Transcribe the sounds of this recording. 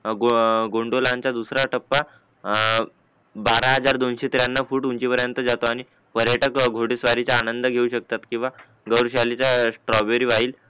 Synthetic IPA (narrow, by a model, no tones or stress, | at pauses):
ɡoɡoɳɖolãɲt͡ɕad̪usɾaʈəpːa | baɾaɦəd͡zaɾd̪onɕet̪ɾjanːafuːʈunt͡ɕipəɾjənt̪əd͡zat̪oaɽ̃i | pəɾjəʈəkɡʱoɽisʋaɾit͡saːnənd̪əɡʱeuɕək̚t̪at̪kĩw̃ʋa | ɡəwɾɕalit͡sasʈɾɔbeɾiʋaiːl